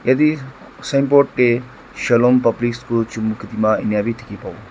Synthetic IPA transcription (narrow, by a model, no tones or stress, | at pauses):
jɐd̪i | sɐjmpoʈʈe | ʃɐlompɐbliskot͡ʃumːukʰit̪imãinjaːbit̪ʰi̥kipɐʋo